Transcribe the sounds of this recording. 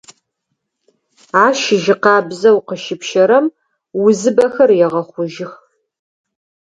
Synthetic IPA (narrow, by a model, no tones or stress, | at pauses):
aːʃɪʒɪqɑːbzɐwqəʃɪpʃɐɾɐm | wʊzɨbɐxɐrjɛʁɐχʷʊʒɪx